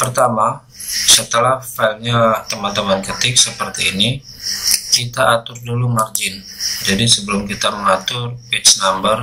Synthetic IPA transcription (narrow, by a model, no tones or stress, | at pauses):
pərt̪ama | sət̪əlahfalɲat̪əmant̪əmankət̪ɪk̚səpərt̪iːni | kit̪aːt̪ʊrdulumard͡ʒɪn | d͡ʒadisəbəlʊmkit̪aməŋat̪ʊrpɪt̪snambər